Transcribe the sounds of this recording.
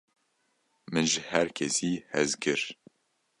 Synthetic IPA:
mɨnʒɨhɛɾkʰɛsiːhɛzkɨɾ

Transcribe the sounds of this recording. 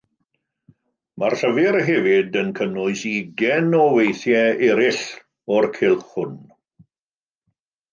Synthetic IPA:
marɬəvɪɾɦɛvɪdənkʰənʊɨsiɡɛnɔwejθjɛɛɾɪɬ | ɔrkʰɪlˠχʊn

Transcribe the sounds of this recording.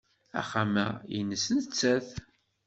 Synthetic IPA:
æ̰χæmæjənːəsnt͡sːæθ

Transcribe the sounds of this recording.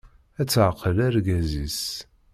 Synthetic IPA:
æt͡sːʕqəlæɾɡæzis

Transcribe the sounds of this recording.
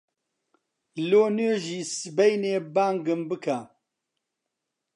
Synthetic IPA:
loːnøːʒiːsɨbejneːbaːŋɡɨmbɨkʰa

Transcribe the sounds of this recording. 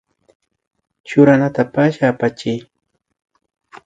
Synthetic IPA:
t͡ʃʊɾanat̪apaʃaːpat͡ʃɪj

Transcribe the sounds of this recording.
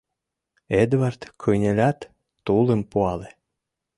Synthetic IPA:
ed̪vɑrt̪kʰɤjnʲelʲɑt̪ː | ulə̆mpuɑle

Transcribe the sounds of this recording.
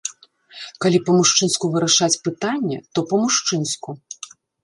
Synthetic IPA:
kalʲipɐmuʂt͡ʂɨnskuvɨɾɐʂat͡sʲpɨt̪anʲːɛ̰t̪ɔpɐmuʂt͡ʂɨnsku

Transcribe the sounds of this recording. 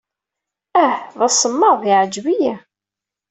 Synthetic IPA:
æhðˤɑsəmːəðˤiʕəd͡ʒwijæ

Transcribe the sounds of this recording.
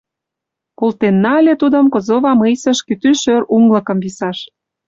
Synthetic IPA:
kolt̪enːɑlʲet̪ud̪ə̆mkozoβɑmɯjsə̆ʃkyt̪yʃøruŋlə̆kɤ̆mvisɑʃ

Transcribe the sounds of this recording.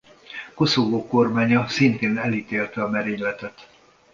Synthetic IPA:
ko̞soɡoːko̞rmaːɲɒsint̪eːnɛlit̪eːlt̪ɛɒmɛɾeːɲlɛt̪ɛt̪

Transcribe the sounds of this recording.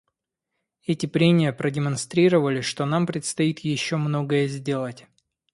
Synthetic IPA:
ɛtʲɪpɾʲenʲɪjəpɾədʲɪmɐnst̪ɾʲiɾəvəlʲɪʂt̪o̞nampɾʲɪt̪st̪ɐit̪jɪɕːo̞mno̞ɡəjəzʲdʲe̞lˠətʲ

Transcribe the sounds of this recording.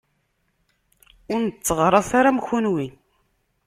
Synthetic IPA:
ʊɾnt͡sːəʁɾˤɑθaɾamçunwin

